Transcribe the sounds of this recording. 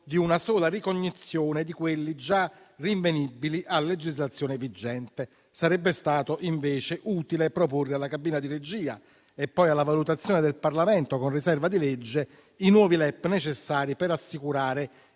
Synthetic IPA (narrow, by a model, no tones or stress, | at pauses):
d̪iunasɔːlarikoɲːit̪sːjoːned̪ikwelːid͡ʒa | riɱvenibːiliʔalːed͡ʒizlat̪sːjoːnevid͡ʒːɛnt̪e | saɾɛbːest̪aːt̪oʔiɱveːt͡ʃeʔuːt̪ilepɾoporːealːakabiːnad̪iɾed͡ʒiːa̰ | epːɔjalːavalut̪at̪sːjoːned̪elparlamɛnt̪okonrisɛrvad̪ilɛd͡ʒːe | inwɔːvilɛpːnet͡ʃesːaːɾipeɾasːikuɾaːɾe